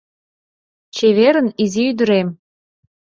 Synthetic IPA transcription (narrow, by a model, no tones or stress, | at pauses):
t͡ɕeβeɾə̆niziyd̪ə̆ɾem